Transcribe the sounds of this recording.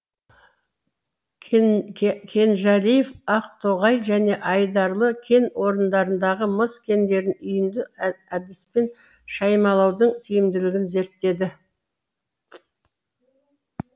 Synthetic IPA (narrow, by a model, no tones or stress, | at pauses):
kʲʰe̞nʒælijefɑqt̪ʰoʁɑjʒæne̞ʔɑjd̪ɑɾlˠəkʲʰe̞nwo̞ɾənd̪ɑɾənd̪ɑʁəməskʲʰe̞nd̪e̞ɾɪnʏjɪnd̪ɪæd̪ɪspe̞n | ʃɑjmɑlˠɑwd̪əɴt̪ʰijɪmd̪ɪlɪɡʲɪnze̞ɾt̪ːe̞d̪ɪ